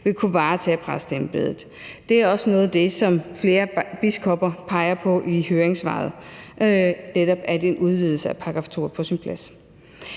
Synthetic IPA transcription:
ʋe̝kʰuʋɑ̈ːt͡sʰɛ̰pʰʁasd̥emb̥e̝̰ð̰ˠð̩ˠ | d̥e̝æɐɒ̽sənɔ̽ːð̞̩ˠd̥e̝sɒ̽mfle̝ːɐb̥iskʰɒ̽b̥ɐpʰɑ̈ɪɐpʰɒ̽ʔihøːɐeŋsʋɑ̰̈ːð̩ˠ | neɾɒ̽b̥æɐd̥e̝enʔuð̞ˠʋiðˠl̩səæpʰɑ̈ːɡ̥ʁɑ̈ft͡sʰo̝̰ːɐpʰɒ̽sinpʰlæs

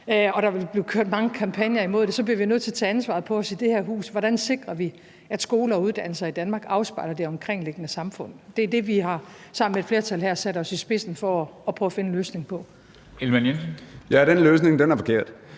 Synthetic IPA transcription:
ɒ̽ɾ̥ɑ̈ʋeb̥le̝ʊkʰøɐ̰d̥mɑ̈ŋəkʰɑ̈mpʰænjɐimo̝ðˠd̥e̝sɒ̽bliɐʋinøð̰ˠt͡sʰe̝ɐt͡sʰæːænsʋɑ̈ð̩ˠpʰɒ̽ɒ̽sid̥e̝hæɐɦṵːsʋɒɾ̥ænse̝ɡ̥ʁɐʋi | æd̥sɡ̥o̝ːlɐɒ̽uðˠd̥æn̰l̩sɐid̥ænmɑ̈ːɡ̥ɑ̈ʊsb̥ɑ̈ɪ̰lɐd̥e̝ɒ̽mkʰʁeŋ̰le̝ɡ̥ənəsɑ̈mfɔ̽n̰ð̩ˠd̥eæɐd̥e̝ʋihɑ̈sɑ̈m̰n̩med̥fle̝ɐt͡sʰælhæɐ̰sæɾ̥ɒ̽sisb̥e̝sn̩fɒːpʰʁɔ̰ːfe̝nəløːsne̝ŋpʰɒ̽ | elmænjenjæɾ̥enløːs̬neŋd̥enæɐfɒ̽kʰe̝̰ɐ̰d̥

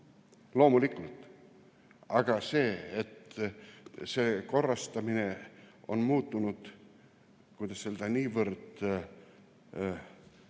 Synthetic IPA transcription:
lo̞ːmulikːult̪ | ɑɡ̥ɑse̞ːet̪ː | se̞ːko̞rːɑst̪ɑmine̞o̞̰nmuːt̪ːunud̪̥ | kujd̪ɑsse̞ld̪ɑniːvərd̪̥

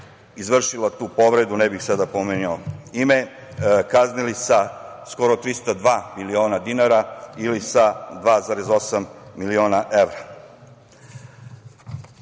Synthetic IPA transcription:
izʋr̩ʃilat̪uːpo̞ʋɾed̪unɛbixsad̪apomenioime̞ | kaznilisa | sko̞ɾo̞t̪ɾist̪ad̪ʋaːmilio̞ːnad̪inaɾailisad̪ʋaːzaːɾezo̞samːilio̞ːnaʔeʋɾa

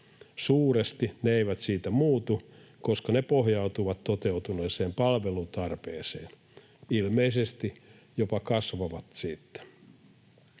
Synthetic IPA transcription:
suːrest̪ineeiʋæt̪siːt̪æmuːt̪u | koskɑnepoɦjɑut̪uʋɑt̪t̪ot̪eut̪uneːseːmpɑlʋelut̪ɑrpeːseːn | ilmeisest̪i | jopɑkɑsʋɑʋɑt̪siːt̪ːe̥

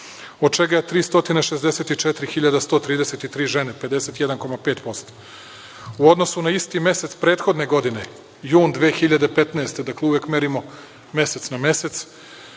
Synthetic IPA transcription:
od̪̚t͡ʃeɡajet̪ɾiːst̪o̞t̪ineʃezd̪eset̪it͡ʃet̪ɾixiʎad̪ast̪ot̪ɾiːd̪eset̪it̪ɾiːʒenepe̞d̪e̞set̪jed̪anko̞mape̞ːt̪po̞st̪o̥ | uo̞d̪no̞sunaist̪ime̞set̪spɾeːt̪xo̞d̪neɡo̞d̪ine | juːnd̪ʋeːxiʎad̪epet̪naest̪ed̪akleuvje̞kme̞ɾimo̞ | me̞set̪sname̞set̪s

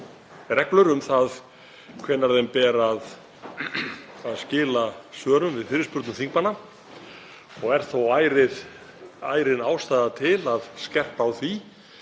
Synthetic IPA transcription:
rɛklʏɾʏmθað | kʰvɛːnːaɾðejmpɛːɾað | aðscɪːlasœːɾʏmvɪðfɪɾɪspʏɾt̪nʏmθiŋkmanːa | ɔɣɛɾ̥θowaːjɾɪð | a̰ːjɾɪnaːwst̪aːjðat̪ʰɪlaðscɛr̥pawθvi

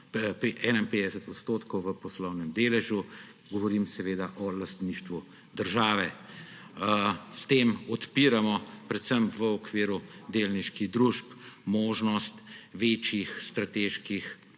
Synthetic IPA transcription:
pɾiʔɛnainpeːd̪ɛsət̪ɔt̪st̪ot̪kɔwʋəpɔslɔwnɛmd̪eːlɛʒju | ɡɔʋɔɾiːmsɛʋeːd̪aʔɔlast̪niʃt̪ʋu | d̪əɾʒaːʋɛ | st̪eːmɔt̪piːɾamɔpɾɛt̪səmʋəɔkʋiːɾud̪elniʃkiɣd̪ɾuʃpmoːʒnɔst̪ʋeːt͡ʃjixst̪ɾat̪eːʃkix

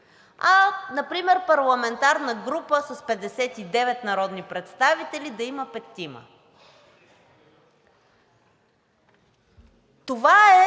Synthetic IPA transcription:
anɐpɾimɛɾpɐɾlˠɐmɛnt̪aɾnəɡɾupəsəspɛd̪ɛsɛt̪id̪ɛvɛt̪nɐɾɔd̪nipɾɛt̪st̪avit̪ɛlid̪ɐiməpɛt̪ːimə̰ | t̪ovaɛ

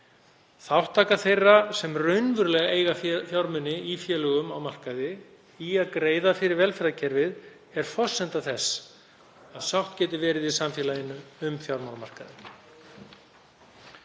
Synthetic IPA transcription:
θawht̪ʰːaːkaθejrːasɛmrœɥnvʏɾlɛɣaeːjɣaffjawɾmʏnːɪifjɛːlœɣʏmawmar̥kaðɪ | iaðkɾeːjðafɪɾɪɾvɛlfɛɾðacʰɛɾvɪð | ɛɾ̥fɔ̥sɛnt̪aθɛsː | aðsawht̪cɛːt̪ɪɾvɛːɾɪðiðsamfjɛːlajɪnːʏʏmθjawɾmanamar̥kaðɪ

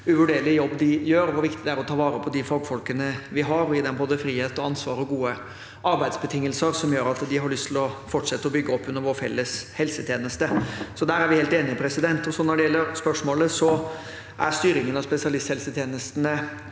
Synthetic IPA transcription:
ʉʋʉɖeːɾlɪjɔbːd̪ɪjøːɾɔʋʊɾʋɪkt̪ɪd̪ɛæɾɔt̪ʰɑːʋɑːɾəpʰɔd̪ɪfɔlɡfɔlkənəʋɪɦɑɾɔɪd̪ɛmboːd̪əfɾiːheːt̪ɔɑnsʋɑ̰ːɾɔɡuːə | ɑɾbæɪd̪sbət̪ʰɪŋːəlsəɾsɔmjøːɾɑt̪d̪ɪɦɑɾɭʏst̪ʰɪlɔfɔʈʂɛt̪ːəɔbʏɡːəɔpːʉnːəɾʋɔːɾfɛ̰lːəshɛlsət̪ʰjeːnəst̪əsɔd̪æːɾæɾʋɪheːlt̪eːnɪəpʰɾɛsɪd̪ɛnt̪ɔsɔnɔɖɛjɛlːəɾspœʂmoːləsɔ | ʔæɾst̪yːɾɪŋənɑspɛsɪɑlɪst̪hɛlsət̪ʰjeːnəst̪ənə

